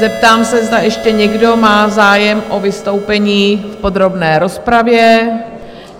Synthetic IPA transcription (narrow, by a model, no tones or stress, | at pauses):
zɛpt̪aːmsɛzdajɛʃcɛɲɛɡdo̞maːzaːjɛmʔo̞vɪst̪o̞wpɛɲiːfpo̞d̪ɾo̞bnɛːɾo̞spɾavjɛ